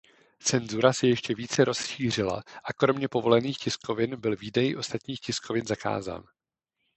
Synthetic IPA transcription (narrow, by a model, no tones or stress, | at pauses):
t͡sɛnzuɾasɛjɛʃcɛviːt͡sɛɾʔo̞sʃiːr̝ɪla̰ʔakɾo̞mɲɛpo̞vo̞lɛniːxcɪsko̞vɪnbɪlviːdɛjɪʔo̞st̪at̪ɲiːxcɪskʰo̞vɪnzaka̰ːza̰ːn